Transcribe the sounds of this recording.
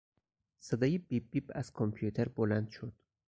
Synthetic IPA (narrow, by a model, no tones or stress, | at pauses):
sed̪ɒːjebibːibæz̥kʰompʰijut̪ʰeɾbolænd̪ʃod̪̥